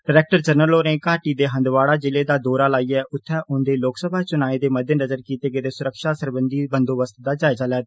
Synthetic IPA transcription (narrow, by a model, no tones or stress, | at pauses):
ɖəɾɛːk̚ʈəɾd͡ʒəɾnəloːneːkaːʈiːd̪eːɦə̃nd̪ʋaːɽaːd͡ʒɪleːd̪aːd̪oːɾaːlaːiːɛːʔʊt̪ʰːɛːʔʊnd̪eːloːksəbʱaːt͡ʃʊnaːẽːd̪eːməd̪ʱənəzəɾkiːt̪eːɡed̪eːsʊɾəkʃaːsəɾbənd̪iːbənd̪oːʋəst̪d̪aːd͡ʒaːɪzaːlɛː